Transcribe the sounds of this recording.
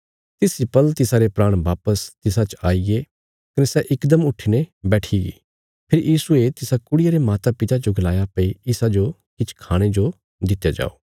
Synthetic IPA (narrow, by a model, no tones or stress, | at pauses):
t̪ɪsipɐlt̪ɪsaɾepɾaːɽ̃ʋaːpəst̪ɪsat͡ʃaːiɡe | kɐnesɛʔɪkd̪əmʊʈʰinebɛːʈʰiɡḭ | pʰɪɾjʔiːsuet̪ɪsakʊɽɪjaɾemaːt̪apɪt̪ad͡ʒoɡʱɐlaːjapɐiɪsad͡ʒo | kɪt͡ʃʰkʰaːɽ̃ed͡ʒo | d̪ɪt̪jad͡ʒa̰ːoː